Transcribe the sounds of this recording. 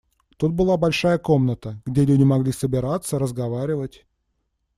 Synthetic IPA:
t̪ut̪̚bɨlˠabɐlʲʂajəko̞mnət̪əɡdʲelʲʉdʲɪmɐɡlʲisəbʲɪɾat̪sːəɾəzɡɐvaɾʲɪvətʲ

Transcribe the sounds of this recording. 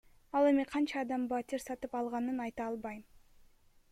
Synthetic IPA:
ɑlˠe̞miqʰɑnt͡ʃɑːd̪ɑmbɑt̪ʲiɾsɑt̪ɯpɑlˠʁɑnɯnɑjt̪ɑɑlˠbɑj

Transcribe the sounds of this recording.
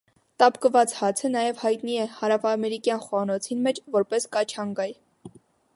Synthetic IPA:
t̪ɑpkəvɑt͡shɑt͡sʰənɑjɛvhɑjt̪niɛhɑɾɑvɑmɛɾikjɑnχɑnɔt͡sʰinmɛt͡ʃʰvɔɾpɛskɑt͡ʃʰɑŋɡɑj

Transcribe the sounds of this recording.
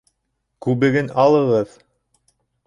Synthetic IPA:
kʉβɘ̆ɡɘnɑlˠɤ̆ʁɤð

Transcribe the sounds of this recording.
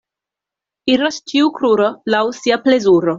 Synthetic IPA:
iɾost͡ʃiukɾuɾolawsiaplezuɾo

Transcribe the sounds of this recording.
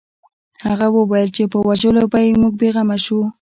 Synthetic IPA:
haɣawəwajəlt͡ʃepəwaʒəlopajmuɡ̚beɣamaʃu

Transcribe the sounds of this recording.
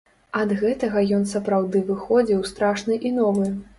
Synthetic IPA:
ɐd̪ɣɛt̪ɐɣɐjɔn̪sɐpɾawd̪ɨvɨxɔd͡zʲiwst̪ɾaʂnɨʔinɔvɨ

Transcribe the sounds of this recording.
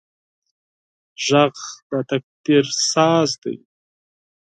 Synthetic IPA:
ʒɑqbat̪ak̚t̪eɾsɑzd̪ḛj

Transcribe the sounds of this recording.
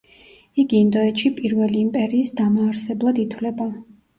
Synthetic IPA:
iɡiːnd̪ɔɛt̪ʃipʼiɾvɛliːmpʼɛɾiːsd̪amɔaɾsɛblˠad̪it̪ʰwlɛba

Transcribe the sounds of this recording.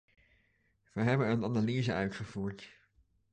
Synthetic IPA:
ʋəɦɛbənənɑnaliːzəœɥtχəv̥uːɹt

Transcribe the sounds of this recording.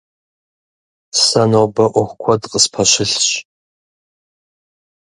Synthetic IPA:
sɐnobɐʔʷʊχʷkʷʰɔdqʼəspʰɐɕɪɬɕ

